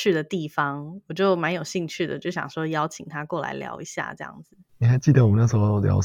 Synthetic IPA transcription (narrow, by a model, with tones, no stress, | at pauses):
y˥˩d̪ə˩t̪i˥˩fɑ˥ŋɔ˨˩t͡ɕjo˥˩ʊma˧˥njo˨˩ʊɕi˥˧ŋt͡ɕʰy˥˩d̪ə̰˩t͡ɕjo˥˩ɕjɑ̰˨˩ŋʂwɔ˥jɑ˥ʊt͡ɕʰi˨˩ŋt̪ʰa˥kwɔ˥˩la̰˧˥ɪljɑ̰˧˥ʊi˧˥ɕja̰˥˧ʈ͡ʂɤ˥˧jɑ̰˥˩ŋd͡zɹ̩˨˩ni˨˩xa˧˥ɪt͡ɕi˥˩d̪ə˨˩wɔ˨˩ə˦na˥˩ʂ̩˥˧ljɑ̰˧˥ʊ